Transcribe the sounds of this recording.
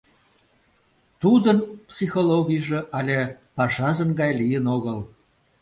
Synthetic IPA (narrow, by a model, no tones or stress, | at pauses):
t̪ud̪ənpsixoloɣʲijʒeʔɑlʲepɑʃɑzə̆nɡɑjlijənoɣəl